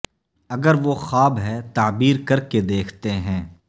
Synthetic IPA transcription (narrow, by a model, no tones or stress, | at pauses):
ɐɡəɾʋoxaːbɦɛt̪aːbiːɾkɐɾked̪eːkʰt̪eɦɛ̃ː